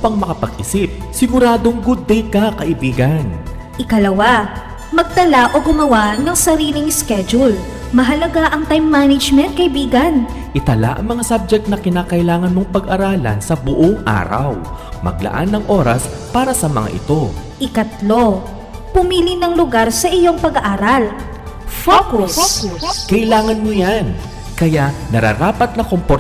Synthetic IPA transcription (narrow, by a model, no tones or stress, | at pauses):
pɐŋmɐkɐpɐɡ̚ʔɪsip̚sɪɡʊɾaːd̪o̞ŋɡʊd̪̚ːɛjkɐkɐʔɪbiːɡɐn | ʔɪkɐlɐwa | mɐɡ̚t̪ɐlaʔoɡʊmɐwaʔnɐŋsɐɾiːlɪŋskɛd͡ʒul | mɐɦɐlɐɡaʔɐŋt̪ajmːanɐd͡ʒmɛnt̪̚kɐʔɪbiːɡɐn | ʔɪt̪ɐla̰ʔɐ̰ŋmɐŋasab̚d͡ʒɛk̚t̪nɐkɪnaːkɐʔɪlaːŋɐnmoŋpɐɡʔɐɾaːlɐ̰nsɐbʊʔoŋʔa̰ːɾɐ̰wmɐ̰ɡ̚lɐ̰ʔa̰nːɐŋʔo̞ɾɐs | paːɾɐsɐmɐŋa̰ʔɪ̰t̪o̞ʔɪkɐt̪lo̞ | pʊmiːlɪnɐŋlʊɡaɾsɐʔɪjo̞ŋpɐɡɐʔaːɾɐl | fokuskɐʔɪlaːŋɐnmojan | kɐjaʔnɐɾa̰ɾaːpɐt̪̚nɐkompo